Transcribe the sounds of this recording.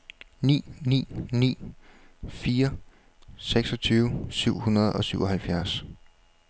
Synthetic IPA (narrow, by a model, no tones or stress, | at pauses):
nḭːnḭːnḭː | fiːɐ | seɡ̥sɒ̽t͡sʰyːʊsyʊ̰hunɐð̞̩ˠɒ̽syʊʔɒ̽hælfjæɐs